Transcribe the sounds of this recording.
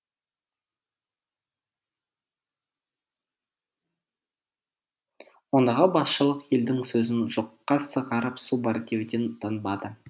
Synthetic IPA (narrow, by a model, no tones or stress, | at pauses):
wo̞nd̪ɑʁəbɑsʃəlˠəqje̞ld̪ɪŋsɵzɪnʒ̥oqːɑsəʁɑɾəpsubɑɾt̪ewd̪ent̪ʰənbɑd̪ə